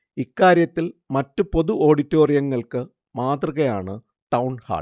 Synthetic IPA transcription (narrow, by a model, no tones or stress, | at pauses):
ikːaːɾjɐt̪ːilmɐtːupo̞ðuʔo̞ːɽitːo̞ːrijɐŋːɐɭkɨ | maːt̪rɐɣɐjaːɳɨ | ʈɐwɳha̰ː